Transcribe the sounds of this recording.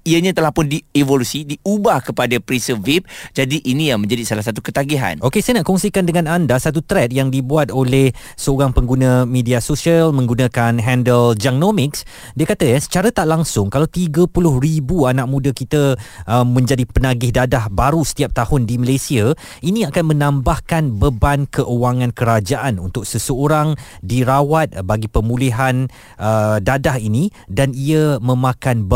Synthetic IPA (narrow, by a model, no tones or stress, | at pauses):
iəɲãt̪əlahpʊndievolusidiubahkəpadapɾisəvip̚d͡ʒadiʔinĩjaŋmə̃ɲd͡ʒadisalahs̬at̪ukət̪aɡiɦa̰nokesajənaʔkɔŋsikandəŋãnandasat̪ut̪ɾɛt̪̚jaŋdibuat̪̚olɛh | səoɾaŋpəŋɡunə̃mẽdiasosiəlmə̃ŋɡunãkanɦɛndəld͡ʒak̚nomɪks | diəkat̪əjasə̥t͡ʃaɾət̪aʔlaŋsʊŋkalawt̪iɡəpulʊhɾibuanak̚mũdəkit̪əʔmə̃ɲd͡ʒadipənaɡɪhdadahbaɾusə̥t̪iap̚t̪ahʊndiməlasia | inĩakanmə̃nãmbahkanbəbankəʔuwaŋãnkəɾad͡ʒaʔanunt̪ʊk̚səsəoɾaŋdiɾawat̪̚baɡipəmuliɦan | ʔədadaɦini | daniəmə̃mãkanb